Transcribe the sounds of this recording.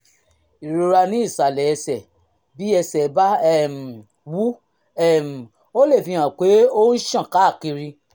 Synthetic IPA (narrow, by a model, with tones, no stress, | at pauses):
i˨ɾo˧ɾa˧nĩ˦i˦˨sa˨lɛ˨ɛ˧sɛ˨ | bi˨˦ɛ˧sɛ˨˦ba˦ɛ˦˨m̩˨ | wu˦ | ɛ˦˨m̩˨ | o˦le˦˨fĩ˧hã˨k͡pe˨˦o˦n̩˦ʃã˦˨ka˨˦˨ki˧ɾi˧